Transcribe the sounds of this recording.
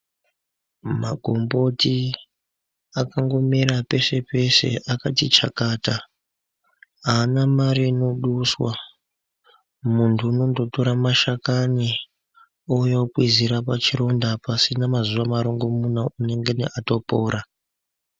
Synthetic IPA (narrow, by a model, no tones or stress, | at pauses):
ma̰ɡʱombo̞ti | akaŋɡo̞miɾape̞se̞pe̞se̞̰ʔakatit͡ʃakaːta | aːnamaɾino̞ɗuswa | muntʰuːno̞ndo̞to̞ɾamaʃakani | ojokwiziɾapat͡ʃiɾo̞ndapasinamazuʋamaɾo̞ŋɡo̞munaune̞ŋɡenḛʔato̞poːɾa